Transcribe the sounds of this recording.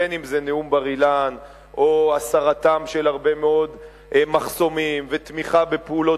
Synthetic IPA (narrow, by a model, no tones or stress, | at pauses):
enimzeneumbaʁilan | ʔoasaʁat̪amʃelaʁbe̞meo̞d̪ | ʔmaχso̞mimvet̪miχabe̞peulo̞